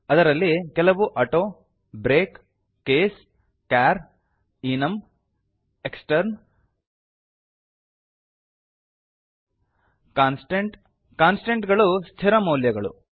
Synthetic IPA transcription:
ɐd̪ɐɾɐlːikɛlɐʋuʔɐʈoː | bɾeːkː | eːs | kaːɾ | iːnɐm | eksʈɐɾn | kaːnsʈeɳʈ | kaːnsʈeɳʈɡɐɭust̪ʰiɾɐmoːljɐɡɐɭṵ

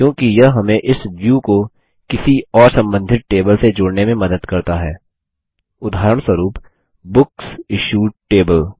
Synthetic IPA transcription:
kjõːkijɐɦɦɐmẽʔɪsʋjuːko | kɪsiɔːɾsɐ̃mbə̃nd̪ʱɪt̪̚ʈeːbəlsed͡ʒʊːɽnemẽmɐd̪əd̪kɐɾt̪aɦɛː | ʊd̪ʱaːɾəɽ̃swɐɾuːp | bʊksɪʃuːʈeːbəl

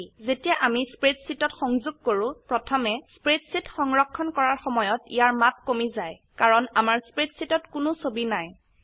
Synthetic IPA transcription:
zetijaʔamispɹetsitɔtxɔŋzʊɡ̚koɹʊ̃pɹɔtʰɔmɛspɹetsitxɔŋɹɔkʰːɔnkɔɹaɹxɔmɔjɔtḭjaɹmat̚komizaj | kaɹɔnamaɹspɹetsitɔtkʊnʊsobinaj

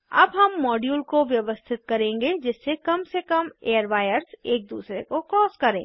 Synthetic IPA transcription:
ɐ̰bɦɐmːɔːɖjuːlkoʋjɐʋəst̪ʰɪt̪̚kɐɾẽːŋɡed͡ʒɪsːekɐmsekɐmeːəɾʋaːjəɾseːk̚d̪uːsɾekokɔːskɐɾḛ̃ː

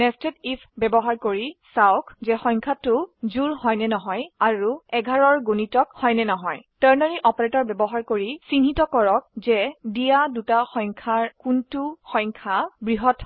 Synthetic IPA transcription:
nɛstetipʰbɛbɔɦaɹkoɹisaʊkzɛxɔ̃jŋkʰatʊzuɹhɔjnɛnɔɦɔjaɹuɛɡʱaɹɔɹɡunitɔkhɔjnɛnɔɦɔjtəɹnɔɹiʔɔpɔɹetɔɹbɛbɔɦaɹkoɹisinɦitɔkɔɹɔk̚zɛdijadutaxɔj̃ŋkʰaɹkuntuxɔjŋkʰabɹiɦɔt

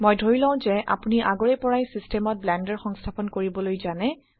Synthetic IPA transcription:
mojdʱoilɔ̃ʊ̃zɛʔa̰puniʔaɡɔɹɛpɔɹajsistɛmɔt̚blɛndɔɹxɔŋstʰapɔnkoɹibɔlojzanɛ

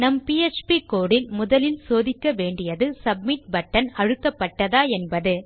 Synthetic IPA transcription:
nɐmpiɛt͡ʃpikoːɽɪlmʊðɐlɪlsoːðɪkːɐʋeːɳɖɪjɐðɯsɐb̚mɪʈ̚bɐʈːɐnɐɻɯkːɐpːɐʈːɐðaːɛnbɐðɯ

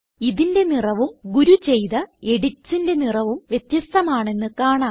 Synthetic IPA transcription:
iðinde̞nirɐʋumɡuɾut͡ɕe̞jðɐe̞ɽit͡ɕːinde̞nirɐʋumʋje̞t̪jɐst̪ɐmaːɳe̞nːɨkaːɳaː

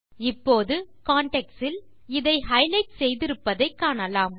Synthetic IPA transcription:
ɪpːoːðɯkaːɳʈɛksɪl | ɪðɐɪɦɐɪlɐɪʈ̚sɛjðɪɾɯpːɐðɐɪkːaːɳɐlaːm

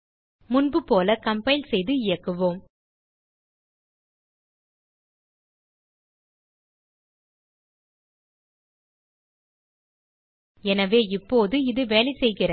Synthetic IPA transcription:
mʊnbɯpoːlɐkɐmpɐɪlsɛjðɯɪjɐkːɯʋoːm | ɛnɐʋeːɪpːoːðɯɪðɯʋeːlɐɪsɛjɣɪrɐ

